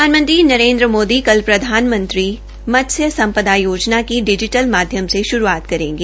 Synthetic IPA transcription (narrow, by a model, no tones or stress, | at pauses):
aːnmə̃nt̪ɾinɐɾẽːnd̪ɾəmoːd̪ikɐlpɾɐd̪ʱaːnmə̃nt̪ɾi | mɐt̪sjəsɐ̃mpəd̪ajoːd͡ʒnakiɖɪd͡ʒɪʈəlmaːd̪ʱjəmseʃʊɾuaːt̪kɐɾẽːŋɡeː